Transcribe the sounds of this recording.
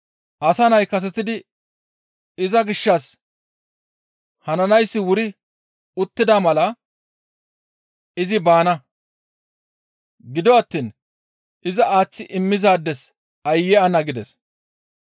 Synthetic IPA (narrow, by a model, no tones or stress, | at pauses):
ʔɐsɐnɐjkɐs̬ɛt̪ɪd̪ɪ | ɪzɐɡɪʃːɐs | hɐnɐnɐjsːɪwʊɾɪ | ʊt̪ːɪd̪amɐlɐ | ɪzɪbaːnɐ | ɡɪd̪ɔɐt̪ːiːn | ɪzɐaːt͡sːɪʔɪmːɪzaːd̪ːɛs | ɐjːɛɐnɐɡɪd̪ɛs